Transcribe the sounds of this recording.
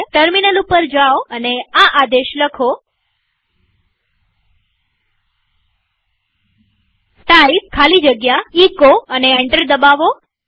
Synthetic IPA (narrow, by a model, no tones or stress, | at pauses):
ʈəɾminəlupəɾd͡ʒaoəneaʔad̪eʃləkʰo | sʈaib̚kʰalid͡ʒəɡjaikoəneeɳʈəɾd̪əbaʋo